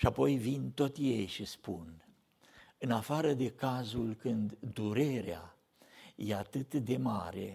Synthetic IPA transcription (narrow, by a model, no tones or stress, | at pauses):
ʃiapo̞jvint̪o̞t̪ʲje̞jʃispun | ɨnafaɾəd̪e̞kazulkɨnd̪d̪uɾe̞ɾea̰ | je̞at̪ɨt̪d̪e̞ma̰ɾe̞̰